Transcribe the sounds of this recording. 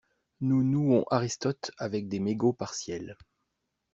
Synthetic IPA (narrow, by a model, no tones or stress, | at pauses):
nunuɔ̃ʔaʁist̪ɔt̪avɛk̚d̪emeɡopaʁsjɛl